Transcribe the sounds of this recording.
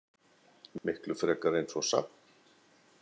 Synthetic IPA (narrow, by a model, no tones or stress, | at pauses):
mɪhklʏfɾɛːkaɾejnsɔsa̰pn